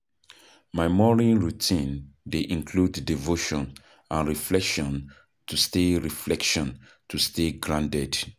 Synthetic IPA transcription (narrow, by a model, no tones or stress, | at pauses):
maɪmɔɹianɹutʰĩndeʔĩŋkʰludːivoʃɔ̃n | ãnɹiflɛkʃɔ̃n | tʰusteɹiflɛkʃɔ̃n | tʰusteɡɹãntɛd